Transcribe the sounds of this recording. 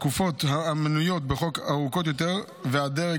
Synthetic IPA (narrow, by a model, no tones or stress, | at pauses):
kufo̞t̪haamnujo̞t̪̚beχo̞kaʁukot̪jo̞t̪eʁ | vead̪eʁe